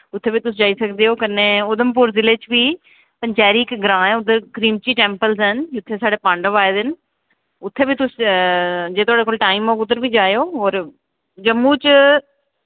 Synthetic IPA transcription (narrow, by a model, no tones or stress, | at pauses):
ʊt̪ʰːebit̪ʊsd͡ʒaːisɐɡ̪d̪iɦoːkɐneʊd̪əmpʊɾzɪleːt͡ɕbʱiː | pɐ̃ɲt͡ʃaːɾiːkɡɾãːɛ̃ʊd̪əɾkɾiːmt͡ʃiːʈẽːmpəlzɦənd͡ʒʊt̪ʰːesaːɖepãːɳɖəʋaːɪd̪ɪn̆ | ʊt̪ʰːebit̪ʊs | d͡ʑeːt̪ʰoaːɽekoːlʈaːɪmoːɡʊd̪əɾbʱid͡ʒaːjoːɦoːɾ | d͡ʒɐmːuːt͡ʃ